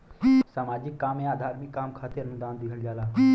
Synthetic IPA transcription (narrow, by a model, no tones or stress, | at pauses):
saːmaːd͡ʒɪkːaːmẽaːd̪ʱaːɾmɪkːaːmkʰaːt̪eɾəmd̪aːnd̪ɪkʰəld͡ʒaːlaː